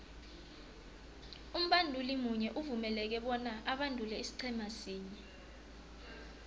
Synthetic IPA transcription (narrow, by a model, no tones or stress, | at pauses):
um̩ɓandʱulimuɲɛʔuvumɛlɛk̬ɛɓɔnaʔaɓandʱulɛisi̥ǀʰɛmasiːɲɛ